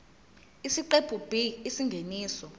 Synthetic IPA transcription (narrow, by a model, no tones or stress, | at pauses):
isiǃebʰʱub̥ʱiisiŋɡʱeniːsɔ